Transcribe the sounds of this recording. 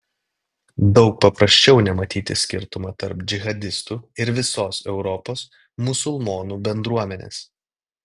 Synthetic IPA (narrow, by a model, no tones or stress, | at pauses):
d̪ɒʊk̚pɐpɾɐsʲt͡ʃʲɛʊnʲɛmɐt̪ʲiːt̪ʲɪsʲkʲɪ̰ɾt̪ʊmɑːt̪ɐɾpd͡ʒʲɪɣɐd̪ʲɪst̪uːɪɾʋʲɪsoːsɛʊɾɔpoːs | mʊsʊlˠmoːnuːbʲɛnd̪ɾuɔmʲɛnʲḛːs